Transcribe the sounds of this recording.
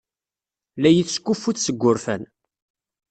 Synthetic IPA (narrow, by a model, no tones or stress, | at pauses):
læjiθskːufːuθsəɡʷːʊɾfæ̰n